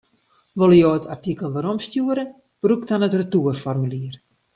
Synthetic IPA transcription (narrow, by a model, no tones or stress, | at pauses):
ʋolˠəjoːətʰartikəl̩ˠʋaɾɔmstjuəɾə | b̥ruktanətrətuərfɔrmyliər